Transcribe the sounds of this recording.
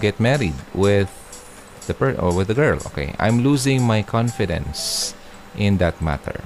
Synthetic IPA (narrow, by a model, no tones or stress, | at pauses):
ɡɛt̪̚mɛɹɪd̪wɪð | ðəpɛɹɔwɪðəɡɛɹlʔo̰kḛɪʔã̰jmluːzɪ̃ŋmajkʰɔ̃nfɪd̪ɛ̰̃ns | ʔɪ̃nd̪at̪̚ma̰t̪ʰə̰ɹ